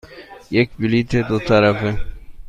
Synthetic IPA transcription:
jekbiliːt̪ʰed̪ot̪aɾɐfe

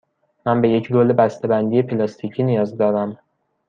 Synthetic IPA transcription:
mænbe̞je̞cʰɡolebæst̪ebænd̪ije̞pʰelɒst̪ʰicʰiːnijɒːzd̪ɒːɾæm

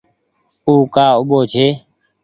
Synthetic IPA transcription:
uːkaːʊɓoːt͡ʃʰeː

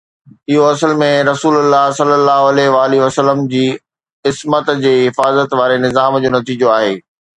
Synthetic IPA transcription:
ɪɦoɐsəlmẽɾɐsuːlʊlːaɦsɐlːəlːaːɦoɐlɛɦʋaːliʋɐsəlːəmd͡ʑiː | ɪsmət̪d͡ʑeːɦɪfaːzət̪ʋaːɾenɪzaːmd͡ʑoːnɐt̪iːd͡ʑoaːɦeː

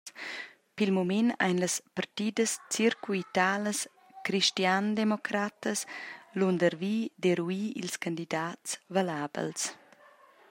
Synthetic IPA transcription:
pilmumina̰jnləspart̪iːdəst͡siɾkuit̪aːləs | kɾiʃtjand̪emɔkɾat̪əslund̪əɾviːd̪eɾuiːḭlskand̪id̪aːtsvalaːbə̰ls

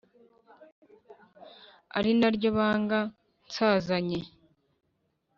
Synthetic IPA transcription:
a̰ɾinaɾɟoβaːŋɡa | nsaːzaɲe

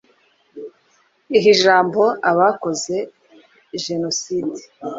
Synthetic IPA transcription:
iɦiʒaːmbo̞aβako̞ze̞ | ʒe̞no̞siːdi

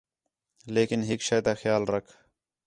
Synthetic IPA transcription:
leːkɪnɦɪːkʃeːd̪aːxjaːlɾəkʰ

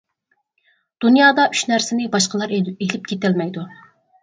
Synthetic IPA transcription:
d̪̥unjɑːd̪ɑʔyʃnæɾsɪnɪbɑʃqəlˠɑɾelɪp̚kʲʰet̪ɛlmɛjd̪u

